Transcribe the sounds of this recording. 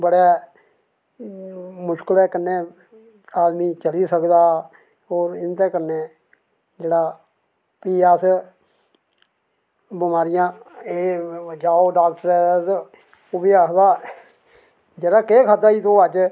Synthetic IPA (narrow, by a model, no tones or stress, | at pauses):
bəɽeː | mʊʃkəlɛːkənːeː | aːd̪miːt͡ʃəliːsəkd̪aː | oːɾɪnt̪ɛːkənːeː | d͡ʒeːɽaː | piːɛːs | bɪmaːɾɪjãːeːd͡ʒaːoːɖaːk̚ʈəɾɛːt̪ | ʊbiaːkʰd̪aː | d͡ʒeːɽaːkeːkʰat̪aːiːt̪oːət͡ʃ